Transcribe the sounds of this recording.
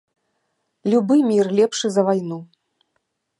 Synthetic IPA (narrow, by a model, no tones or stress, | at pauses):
lʲubɨmʲirlʲɛpʂɨzɐvajnu